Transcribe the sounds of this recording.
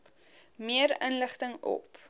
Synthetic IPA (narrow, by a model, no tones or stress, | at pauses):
miəɾənləχtəŋɔ̰p